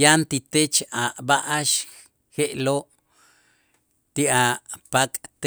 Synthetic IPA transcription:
jant̪it̪et͡ʃaʔbaʔaʃ | xeʔloʔ | t̪iʔapakʼt̪

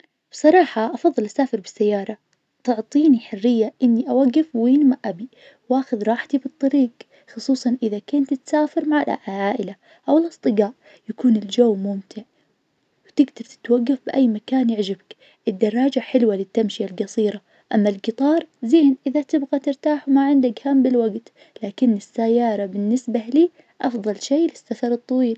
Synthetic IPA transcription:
b̥sˤɑɾˤɑːħɑʔɑfɑðˤːɨlʔasaːfɪɾbɪsːajːɑːɾˤɑ | t̪ʊʕt̪ˤiːniħɪrːɪjːaʔɪnːiʔawaɡːɪfwiːnmaʔabi | wʔaːxʊðɾˤɑːħt̪ibɨt̪ˤːɑɾiːɡ | xʊsˤuːsˤɑnʔɪðakɪːnt̪t̪saːfɪɾmaʕalʕʕaːʔɪla | ʔawɪlʔɑsˤt̪ˤɨɡaːʔ | jakuːnɪld͡ʒowːmʊmt̪ʰɪʕ | wt̪ɪɡd̪ɑɾt̪ɪ̥t̪waɡːafbɪʔajːmakaːnjɪʕd͡ʒɪbak | ʔɪd̪ːɑrˤːɑːd͡ʒaħɪlwalɪt̪ːamʃijalɡɑsˤiːɾa | ʔamːalɡɨt̪ˤɑːɾˤzeːnʔɪðat̪ɪbɣat̪ɪɾt̪aːħwmaʕɪnd̪akhambɪlwaɡt̪ | laːkɪnːɪsːajːɑːɾˤɑbɪnːɪsbaliː | ʔɑfðˤɑlʃeːlɪsːafɑɾˤɨt̪ˤːɑwiːl

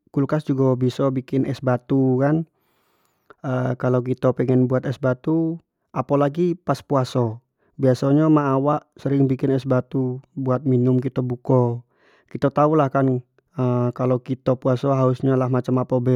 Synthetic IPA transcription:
kulkasd͡ʒuɡabisɔbikɪnɛsbat̪ukan | əkalowkit̪apɛŋɛnbuat̪ɛsbat̪u | ʔapalaɡipaspuasɔ | biasaɲamaʔːwaʔsəɾɪŋbikɪnɛsbat̪ubuat̪̚minʊmkit̪abukɔ | kit̪at̪aulahkan | əkalokit̪apuasɔɦausɲalahmat͡ʃamapɔbɛ

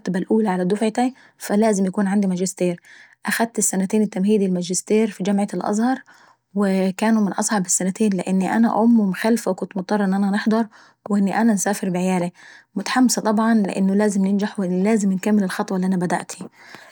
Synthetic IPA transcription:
t̪balʔuːlaʕalæd̪ʊfʕt̪æ | fælæːzɪmjakuːnʕand̪imæd͡ʒɪst̪eːɾʔæxæd̪̚t̪ɪsːænæt̪eːnɪt̪ːæmhiːd̪ilmæd͡ʒɪst̪eːɾfid͡ʒamʕalʔɑ̰zˤhɑɾˤ | wɪkæːnumɪnʔɑ̰sˤʕɑbɪsːænæt̪eːnlɪʔɪnːiʔæ̰næʔʔʊmːumxælfawkʊnt̪mot̪ˤɑrˤɑʔɪnːʔænænɪħd̪ˤɑɾˤ | wʔɪnːiʔænænsaːfɪɾbɪʕejæːlimʊt̪ḁħamːɪsɑt̪ˤɑbʕɑnlɪ̰ʔɪ̰nːʊlæːzɪmnɪnd͡ʒaħwɪlæːzɪmɪnkamːɪlɪlxɑt̪ˤwɑliʔænæbæd̪æ̰ʔt̪ʰi

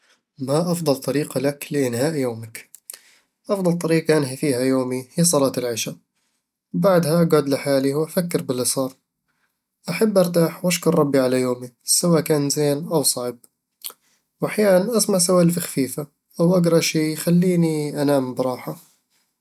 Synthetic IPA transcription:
maʔɑfd̪ˤɑlt̪ˤɑɾiːqɑlaklɪʔɪnhaːʔjoːmɪk | ʔɑfd̪ˤɑlt̪ˤɑɾiːqɑʔanɦifiːhajoːmihiːsˤɑlɑːt̪ɪlʕɪʃa | baʕd̪haɡaːd̪lɪħaːliwʔafakːɪɾbɪlːisˤɑːɾˤ | ʔaħabːʔɑɾˤt̪aːħwʔaʃkʊɾˤɑbːiʕalajoːmisawaːʔkaːnzeːnʔawsˤɑʕb̚ | wʔaħjaːnanʔasmaʕsawaːʔlfaxfiːfa | ʔawʔaɡɾˤɑʃiːxalːiːniʔanaːmbɪɾˤɑːħa

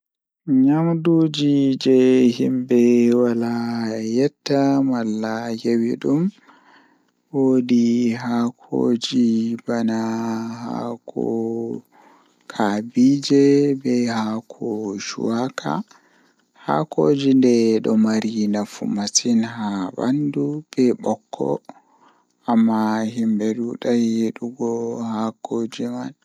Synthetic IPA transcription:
ɲamduːd͡ʒid͡ʒɛhimbɛwalajɛtːamalːajewiɗum | wodiɦakʰo̰d͡ʒibanaha̰kʰɔ̰ | kʰabid͡ʒɛbɛhakʰɔʃṵwakʰa̰ | ha̰kod͡ʒindɛɗɔmaɾinafṵmasinhaba̰ndub̥ɛɓɔkʰːɔ̰ | amːaɦimbɛɗuɗajeɗuɡɔhakoːd͡ʒiman

